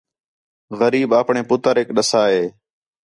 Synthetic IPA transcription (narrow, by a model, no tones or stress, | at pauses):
ɣəɾiːbaːpɳeːpʊt̪əɾɦekɗəsaːɦeː